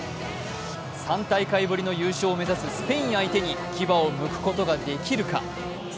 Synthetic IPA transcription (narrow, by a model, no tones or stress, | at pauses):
sãnt̪aikaibɯ̟ɾʲino̞jɯːɕoːme̞zasɨsɨ̥pe̞ĩɰait̪e̞ɲ̟i | kʲibao̞mɯ̟kɯ̟̥ko̞t̪o̞ɡad̪e̞kʲiɾɯ̟ka̰